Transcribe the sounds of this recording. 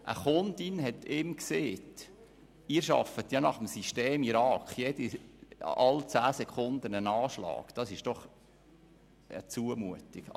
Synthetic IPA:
ʔə̰χʊnd̪inɦɛtʰɪmkseːt | ɪːɾʃɑ̰fət̪jɑnɑχəmsiʃteːmiɾɑːkχjed̥i | ɑlt͡sæːsɛkʰχʊnd̪ənənɑːʃlɑ̰ːkd̥ɑsɪʃd̥ɔχ | ə̰t͡suəmuətɪk

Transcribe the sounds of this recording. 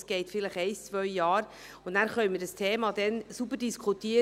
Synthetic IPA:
sɡ̥ɛɪtfɪləχɛɪst͡svœʏjɑːɾ | ʊnnæːɾχœʏmədəstʰeːmɑːd̥ɛnsubəɾdiskχutiə

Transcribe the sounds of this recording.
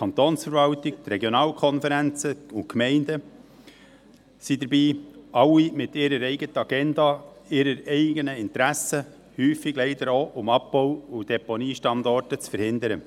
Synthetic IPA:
kʰɑnt̪oːnsfəɾvɑlt̪ɪk̚t̪rɛɡjonɑːlkʰɔnfəɾænt͡səʊnkmɛɪndə | sid̪əɾbiːʔɑlːimɪt̪ɪɾəɾɛɪɡət̪əɑɡɛndɑ | ɪɾəɾɛɪɡənəɪnt̪ɾæsə | hyːfɪɡ̥lɛɪdəɾoʔʊmɑb̚b̥ɔwud̥ɛponiːʃtɑndɔɾtət͡sfəɾhɪnd̪əɾə

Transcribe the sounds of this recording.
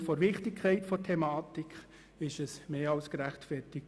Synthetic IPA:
fɔɾʋɪχtɪkʰːɛɪtfɔtʰɛmaːtɪkχ | ɪʃɛsmeːɑʊskɾæχtfɛɾtɪk̚

